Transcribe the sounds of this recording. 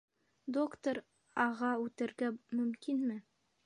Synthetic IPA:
d̪o̞kt̪oɾ | ɑʁɑʉt̪ɘ̆ɾɡæmɵ̆mkinmɘ

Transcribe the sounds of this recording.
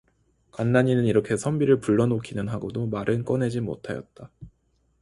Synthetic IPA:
kanːaɲinɯniɾʌkʰe̞sʰʌmbiɾɯɭpuɭːʌnokʰinɯnɦaɡodomaɾɯnk͈ʌne̞d͡ʑimo̰tʰajʌt̚t͈a

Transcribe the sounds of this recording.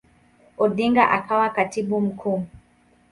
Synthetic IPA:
ɔɗiŋɡaʔakawakatiɓum̩kʰuː

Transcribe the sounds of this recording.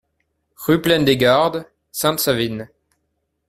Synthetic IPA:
ʁyplɛnd̪eɡaʁd̪ | sɛ̃t̪savin

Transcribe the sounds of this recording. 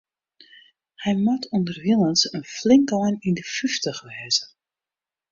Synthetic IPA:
hɛjmɔtʰɔndərʋilˠənsənflɪŋkɔjnindəfyftəxʋɛːzə

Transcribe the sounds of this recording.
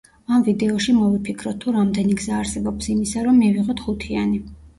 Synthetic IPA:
amvid̪ɛɔʃimɔvipʰikʰɾɔt̪ʰːuɾamd̪ɛniɡzaːɾsɛbɔpsimisaɾɔmːiviʁɔt̪χut̪ʰiani

